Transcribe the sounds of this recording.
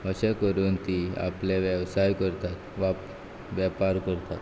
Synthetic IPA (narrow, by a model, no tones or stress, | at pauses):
əɕekəɾuːnt̪iːa̰pleʋjeʋsajkəɾt̪at̪ʋap | ʋjəpaɾkəɾt̪at̪